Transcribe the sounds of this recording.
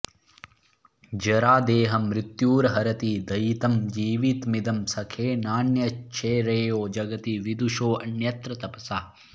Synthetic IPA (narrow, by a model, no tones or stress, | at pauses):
d͡ʒɐɾaːd̪eːɦɐmɾit̪juːɾɐɦɐɾɐt̪id̪ɐjit̪ɐmd͡ʒiːʋit̪mid̪ɐmsɐkʰeːnaːnjɐt͡ʃʰeːɾeːjoːd͡ʒɐɡɐt̪iʋid̪uʃoːʔɐnjɐt̪ɾɐt̪ɐpɐsaː